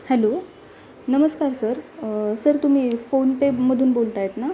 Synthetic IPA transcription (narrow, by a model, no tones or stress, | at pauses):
hɛlo | nəməskaɾsəɾsəɾt̪um̤iːfonpeməd̪ʱuːnbolt̪ajet̪na